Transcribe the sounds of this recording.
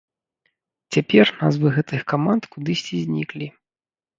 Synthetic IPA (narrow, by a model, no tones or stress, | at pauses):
t͡sʲapʲɛrna̰zvɨɣɛt̪ɨxkamant̪kud̪ɨsʲt͡sʲizʲnʲiklʲi